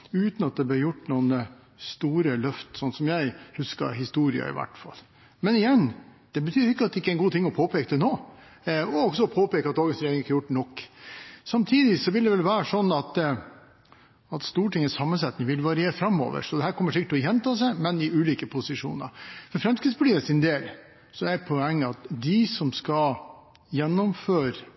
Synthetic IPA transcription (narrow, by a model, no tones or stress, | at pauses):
ʉːt̪nɑt̪̚d̪ɛb̪ːɾjʊʈːnuːnə | st̪uːɾəlœft̪sɔnsɔmjæɪhʉskɑ̰ɾɦɪst̪uːɾɪə̰ɪ̰ʋæ̰ʈːfɑ̰lː | mɛnɪjɛnːd̪̥ɛbət̪ʰyːɾɪkːəɑt̪d̪ɛɪkːəæɪnɡuːt̪ʰɪŋːɔpʰoːpʰeːkəd̪ɛnoː | ɔɔɡsɔpʰoːpeːkəɑt̪̚d̪ɑːɡənsɾeɾɪŋɪkːjʊʈːnɔkːsɑmt̪ʰiːd̪ɪsɔʋɪld̪ɛʋɛlʋæːɾəʂɔnːɑt̪ | ɑt̪st̪uːʈɪŋːəsɑmːənsɛt̪nɪŋʋɪlʋɑɾɪeːɾəfɾɑmːo̰ːʋə̰ʂɔd̪ɛɦæːɾkʰɔmːəʂɪkəʈʰɪlɔjɛnt̪ʰɑːsɛɪmɛnɪʉːliːkəpʰʊsɪʂṵːnə̰ɾfɔɾfɾɛmskɾɪd̪spʰɑʈiːəsɪnd̪eːl | sɔæɾpʰɔɛŋːəɑt̪d̪ɪsɔmskɑ | jɛnːɔmføːɾ